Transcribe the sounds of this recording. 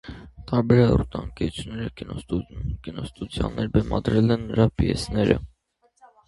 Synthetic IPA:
t̪ʰɑɾbɛɾɛɾut̪ɑ̰nkɛt͡ʃʰnɛɾəkinkinɔst̪ud̪jɑ̰nːɛɾbɛmʔɑ̰d̪ɾɛlɛnːɾɑpijɛ̰snɛɾə̰

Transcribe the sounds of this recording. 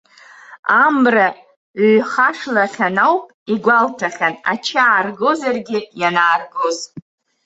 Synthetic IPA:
amra | χaʂlaχʲanawpʼiɡʷaltʰaχʲana̰t͡ʃʰaːrɡo̞zarɡʲɪjanaːrɡoz

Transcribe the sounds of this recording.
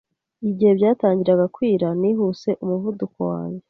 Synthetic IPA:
iɟihe̞bɟaːtaːɲɟiɾaɡakwiːɾaniɦuse̞ʔumuvudukowa̰ːɲɟe

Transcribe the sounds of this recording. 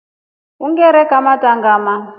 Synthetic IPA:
uŋɡɛɾɛkamatʼaŋɡaːma

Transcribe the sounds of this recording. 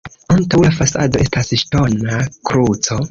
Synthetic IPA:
antawlafasado̞ʔe̞stasʃto̞nakɾut͡so̞

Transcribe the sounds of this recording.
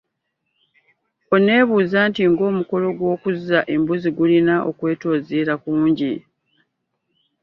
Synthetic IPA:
o̞ne̞ːβuːzaːntiŋɡo̞ːmuko̞lo̞ɡwo̞ːkuzaʔe̞mbuziɡulinaʔo̞̰kwe̞ːto̞ːziɾakuːɲɟi

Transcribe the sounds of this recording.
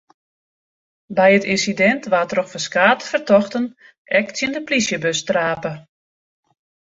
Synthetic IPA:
bɛjətinsidɛntʋatroxfəskaːtəfərtɔxtən | ʔɛksjəndəplisjəbøstraːpə

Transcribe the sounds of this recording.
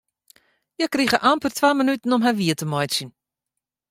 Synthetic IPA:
jəkːriχəʔampərtvaːmənytənɔmɦaviətəmɔjʃin

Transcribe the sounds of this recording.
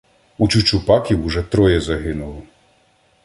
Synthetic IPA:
ut͡ʃut͡ʃʊpɑkʲiwʊʒɛt̪ɾɔjɛzɐɦɪnʊlˠɪ

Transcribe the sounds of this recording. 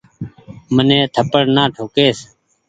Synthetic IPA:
mənẽːt̪ʰəpəɽnãːʈʰoːkeːs

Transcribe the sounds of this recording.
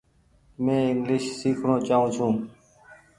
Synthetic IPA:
mẽːɪŋɡlɪʃsiːkʰɳoːt͡ʃaːɦũːt͡ʃʰũː

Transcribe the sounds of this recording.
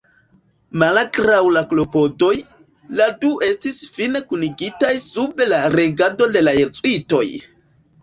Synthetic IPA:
malakɾawlaklo̞po̞do̞j | laduʔe̞stisfinekuniɡitajsubelaɾe̞ɡado̞de̞lajeɾt͡sʼwito̞̰j

